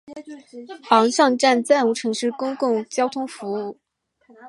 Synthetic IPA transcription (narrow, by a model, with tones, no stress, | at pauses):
xɑ˧˥ŋʂɑ˥˧ŋʈ͡ʂa˥˧nt͡sa˥˩nu˧˥˩ʈ͡ʂʰɤ˧˥ŋʂɻ̩˥˩kʊ˥ŋkʊ˥˩ŋt͡ɕjɑ˥ʊt̪ʰʊ˥ŋfu˧˥u˥˩